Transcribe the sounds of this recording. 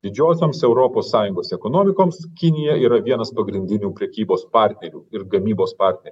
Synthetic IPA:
d̪ʲɪd͡ʒʲoːsʲoːmsɛʊɾoːpoːsːɑːjʊŋɡoːsɛkoːnoːmʲɪkoːmskʲɪnʲɪjɛiːɾɐʋʲiɛnɐspɐɡɾʲɪnʲd̪ʲɪnʲuːpʲɾʲɛkʲiːboːspɑɾʲt̪ʲnʲɛɾʲuːɪɾɡɐmʲiːboːspɑːɾʲt̪ʲnʲɛɾ

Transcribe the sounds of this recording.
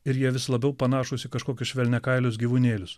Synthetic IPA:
ɪɾjiɛʋʲɪslˠɐbʲɛʊpɐnɑːʃʊsʲɪkɐʃkoːkʲʊsʃʲʋʲɛlʲnʲɛkɐɪlʲʊs̬ɡʲiːʋʊnʲeːlʲʊs

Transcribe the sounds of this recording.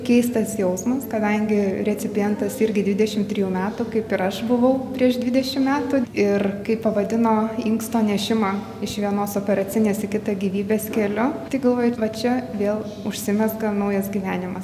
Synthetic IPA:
kʲɛɪst̪ɐsjɛʊsmɐskɐd̪ɐŋʲɡʲɪɾʲɛt͡s̪ʲɪpʲɪjɛnt̪ɐsɪɾʲɡʲɪd̪ʲʋʲɪd̪ʲɛʃʲɪmt̪ʲɾʲiːjuːmʲæːt̪ʊkɐɪpɪɾɐʃbʊʋɐʊpʲɾʲiɛʒd̪ʲʋʲɪd̪ʲɛʃʲɪmmʲæːt̪ʊɪrkɐɪpɐʋɐd̪ʲɪnoːiŋkst̪oːnʲɛʃʲɪmɑ | ɪʃʋʲiɛnoːsoːpʲɛɾɐt͡s̪ʲɪnʲeːsɪkʲɪt̪ɐɡʲiːʋʲiːbʲeːskʲɛlʲʊt̪ɐɪɡɐlˠʋoːjʊʋɐt͡ʃʲɛʋʲeːlˠ | ʊʃʲsʲɪmʲɛsɡɐnɐʊjɛsɡʲiːʋʲæːnʲɪmɐs

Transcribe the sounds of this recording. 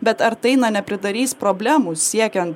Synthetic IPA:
bʲɛt̪ɐɾt̪ɐɪnɐnʲɛpʲɾʲɪd̪ɐɾʲiːspɾɔbʲlʲæːmuːsʲiɛkʲɛnt̪

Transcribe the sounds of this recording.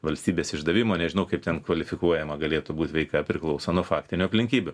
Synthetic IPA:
ʋɐlʲsʲt̪ʲiːbʲeːsɪʒd̪ɐʋʲiːmoːnʲɛʒʲɪnɐʊkɐɪp̚t̪ʲɛnkʋɐlʲɪfʲɪkuɔjɛmɐɡɐlʲeːt̪ʊbuːt̪ʲʋʲɛɪkɑpʲɾʲɪklˠɐʊsɐnuɔfɑːkt̪ʲɪnʲʊɐpʲlʲɪŋʲkʲiːbʲʊ

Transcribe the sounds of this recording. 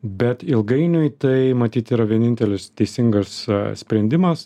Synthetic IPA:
bʲɛt̪ɪlˠɡɐɪnʲʊɪt̪ɐɪmɐt̪ʲiːt̪ʲiːɾɐʋʲiɛnʲɪnʲt̪ʲɛlʲɪst̪ʲɛɪsʲɪŋɡɐssʲpʲɾʲɛnʲd̪ʲɪmɐs

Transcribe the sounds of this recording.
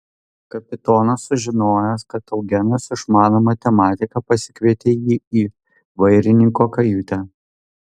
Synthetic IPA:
kɐpʲɪt̪oːnɐsːʊʒʲɪnoːjɛskɐt̪ɐʊɡʲɛnɐsɪʃmɑːnomɐt̪ʲɛmɑːt̪ʲɪkɐpɐsʲɪ̥kʋʲiɛt̪ʲeːjiːiː | ʋɐɪɾʲɪnʲɪŋkoːkɐjut̪ʲɛ

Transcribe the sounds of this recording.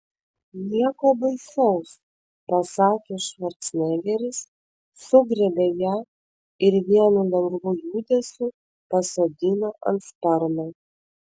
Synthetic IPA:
lʲiɛkoːbɐɪsʲɛʊs | pɐsɑːkʲeːʃʋɐɾt̪sʲnʲæːɡʲɛɾʲɪsː | ʊɡɾʲɛbʲejæː | ɪɾʋʲiɛnulʲɐŋɡbʊjuːd̪ʲɛsʲu | pɐsoːd̪ʲɪnoːʔɐ̰nt̪st̪ɐɾmɐ

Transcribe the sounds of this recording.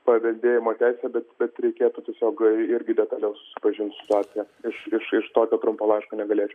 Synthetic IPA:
pɐʋʲɛlʲd̪ʲeːjɪmoːt̪ʲæɪsʲɛbʲɛt̪bʲɛt̪ɾʲɛɪkʲeːt̪utʲiɛsʲoːkɪɾʲɡʲɪd̪ʲɛt̪ɑlʲɛʊsʊ̥sʲɪ̥pɐʒʲɪnt̪ʲsʲɪ̥t̪ʊaːt͡s̪ʲɪjɛ | ɪʃɪʃɪʃt̪oːkʲoːt̪ɾʊmpoːlˠɐɪʃkoːnʲɛɡɐlʲeːt͡ʃʲɛʊ

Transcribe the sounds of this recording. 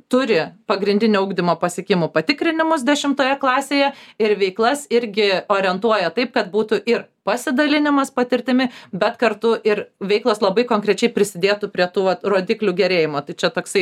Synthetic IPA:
t̪ʊɾʲɪpɐɡɾʲɪnʲd̪ʲɪnʲoːuːɡd̪ʲɪmoːpɐsʲɪkʲɪmʊpɐt̪ʲɪkɾʲɪnʲɪmʊs̬d̪ʲɛʃʲɪmt̪oːjɛklˠɑːsʲeːjɛɪɾʋʲɛɪklˠɐsɪɾʲɡʲɪoːɾʲɪɛnt̪uɔjɛt̪ɐɪp̚kɐt̪buːt̪ʊʔɪrpɐsʲɪd̪ɐlʲɪnʲɪmɐspɐt̪ʲɪɾʲt̪ʲɪmʲɪbʲɛt̪kɐɾt̪ʊʔɪɾʋʲɛɪklˠɐslˠɐbɐɪkoːŋkɾʲɛt͡ʃʲɛɪpʲɾʲɪsʲɪd̪ʲeːt̪upʲɾʲiɛt̪uːʋɐt̪roːd̪ʲiːklʲuɡʲɛɾʲeːjɪmoːt̪ɐɪt͡ʃʲɛt̪oːksɐɪ

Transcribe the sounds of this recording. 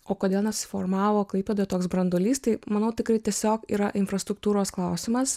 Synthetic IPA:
oːkoːd̪ʲeːlˠnʲɛssʲɪfo̰ːɾmɑːʋoːklˠɐɪpʲed̪oːt̪oːksbɾɐnd̪olʲiːst̪ɐɪmɐnɐʊt̪ʲɪkɾɐɪt̪ʲiɛsʲoːkḭːɾɐʔɪnfɾɐst̪ɾʊk̚t̪uːɾoːsklˠɐʊsʲɪmɐs

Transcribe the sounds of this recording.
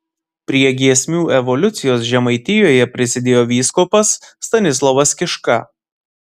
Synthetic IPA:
pʲɾʲiɛɡʲiɛsʲmʲuːɛʋɔlʲʊt̪sʲɪjoːsʒʲɛmɐɪt̪ʲɪjoːjɛpʲɾʲɪsʲɪd̪ʲeːjoːʋʲiːskopɐsːt̪ɐnʲɪs̬lˠɔʋɐskʲɪʃkɐ

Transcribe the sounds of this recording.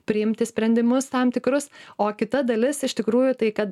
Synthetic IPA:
pʲɾʲɪɪmʲt̪ʲɪsʲpʲɾʲɛnʲd̪ʲɪmʊst̪ɐmt̪ʲɪkɾʊsoːkʲɪt̪ɐd̪ɐlʲɪsɪʃt̪ʲɪkɾuːjʊt̪ɐɪkɐt̪

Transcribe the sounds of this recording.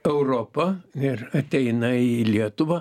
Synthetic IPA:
ɛʊɾoːpɐɪrɐt̪ʲɛɪnɐilʲiɛt̪ʊʋɐː

